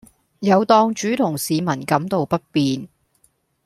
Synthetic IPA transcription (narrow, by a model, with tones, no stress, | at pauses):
jɐ˨˧wt̪ɔː˧ŋt͡ʃyː˨˥t̪ʰʊ˨˩ŋsiː˨˧mɐ˨˩nkɐ˨˥mt̪o˨wpɐ˥t̚piː˨n